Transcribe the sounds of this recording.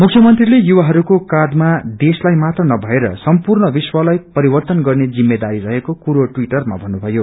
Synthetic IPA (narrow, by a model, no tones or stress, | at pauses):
mukʰjʌmʌnt̪rilejuwaɦʌɾukokad̪mad̪eslajmat̪rʌnʌbʱʌeɾʌ̰sʌmpurnʌbiswʌlʌjpʌɾibʌrt̪ʌnɡʌrned͡zimːed̪aɾiɾʌɦekokuɾoʈwiʈʌrma̰bʱʌnːubʱʌjo